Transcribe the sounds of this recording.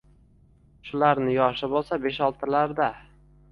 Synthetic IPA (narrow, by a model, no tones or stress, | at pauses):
ʃʊlaɾnɪjɒʃɪbosabe̞ʃɒlˠt̪ʰɪlaɾd̪a